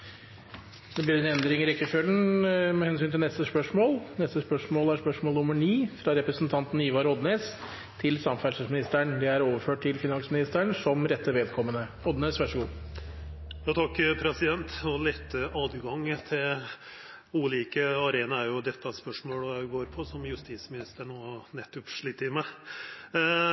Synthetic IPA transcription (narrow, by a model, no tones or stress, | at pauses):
d̪̥ɛblɪɾɛnɛnd̪ɾɪŋɾɛkːəfølənmɛhɛnsyːnt̪ɪlnɛst̪əspœʂmoːlnɛst̪əspœʂmoːlæspœʂmoːlnʊmːəɳiːfɾɑɾɛpɾəsnt̪ʰɑnt̪n̩iːʋɑɾɔd̪neːs | t̪ʰɪlsɑmfæʂəsmɪnɪst̪əɳd̪ɛæɾoːʋəɾføːʈ̚t̪ʰɪlfɪnɑnsmɪnɪst̪əɳsɔmɾɛt̪ːəʋeːd̪kʰɔmːənə | ɔd̪neːsʋæʂəɡuː | jɑt̪ʰɑkːpʰɾɛsɪd̪ɛnt̪ɔlɛt̪ːəɑːd̪ɡɑŋːt̪ʰɪl | ʉːliːkəɑɾeːnɑæɾjʊd̪ɛt̪ːɑspœʂmoːlɔjæɪɡoːɾpʰɔsɔmjʉst̪iːsmɪnɪst̪əɳɔːnɛt̪ːʉpʂɭiːt̪ːəɾmæɪ